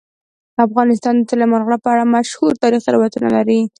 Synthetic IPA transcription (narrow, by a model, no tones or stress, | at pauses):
d̪əafɣɑnɪst̪ɑnd̪ət̪alɪmanɣɽapəaɽamaʃhuɾt̪ɑɾixalɑwat̪una̰laɾi